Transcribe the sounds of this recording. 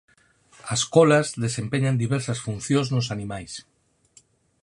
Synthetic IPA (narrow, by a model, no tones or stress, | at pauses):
ɐskɔlazðesempeɲand̪iβɛɾsɐsfunθjõznosanĩmajs